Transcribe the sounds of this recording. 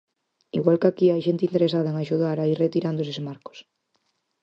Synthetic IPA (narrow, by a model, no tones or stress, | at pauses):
iɣwalkakiajʃent̪ɪint̪eɾesaðɐeŋaʃuðaɾairet̪iɾand̪osesmaɾko̥s